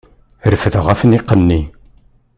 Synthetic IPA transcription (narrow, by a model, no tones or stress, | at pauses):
ɾəfəðəʁæfənɪqːənːi